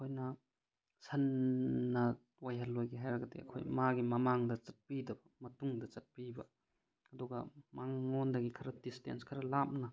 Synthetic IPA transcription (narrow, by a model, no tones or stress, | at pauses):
kʰojnɐ | sɐnːɐ | wajɦɐlːojɡiɦajɾɐɡɐdḛɐ̰kʰo̰jmaɡimɐmaŋdɐt͡ʃɐt̚pidɐbɐmɐtuŋdɐt͡ʃɐt̚pibɐ | ɐduɡɐmaŋːondɐɡikʰɐɾɐdistḛnskʰɐɾɐlap̚nɐ